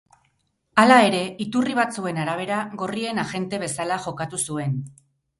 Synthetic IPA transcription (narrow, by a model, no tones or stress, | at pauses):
alae̞ɾe̞it̪uriβ̞at͡sue̞naɾaβ̞e̞ɾaɣo̞rie̞naʝe̞nt̪e̞β̞e̞salaʝo̞kat̪usue̞n